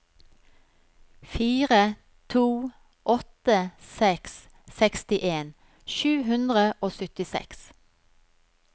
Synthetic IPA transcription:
fiːʁə | t̪ʰuː | ʔɔt̪əsɛks | sɛkst̪ɪʔeːn | ʃʉːɦʉnd̪ʁəʔoːsʏt̪ɪsɛ̰ks

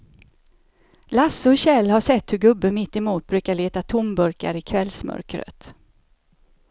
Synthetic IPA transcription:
lasːəɔɕɛlːhaʂɛt̪ːhɵɾɡɵbːəmɪt̪ːɛmuːt̪̚bɾʉ̟ːkaɭeːt̪at̪ʰʊmbɵɾka̰ɾɪkʰvɛlsmœ̰ɾkɾə̰t̪

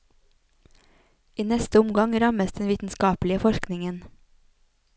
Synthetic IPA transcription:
ʔiːnɛst̪əʊmɡɑŋɾɑməsd̪ɛnʋiːt̪n̩skɑːplɪəfɔʃknɪŋən

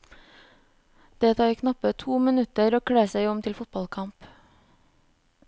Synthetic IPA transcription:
d̪̥eːt̪ʰɑːiːkʰnɑpət̪ʰuːmɪnʉt̪əɾoːkʰɽeːsæɪɔmt̪ʰɪlfʊt̪̚bɑlkʰɑmp

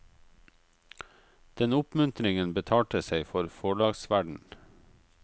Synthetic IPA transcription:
d̪̥ɛnʊpmʉnt̪ɾɪŋənbət̪ʰɑːʈəseɪfɔɾfoːɖɑːɡsʋæɖɳ̩

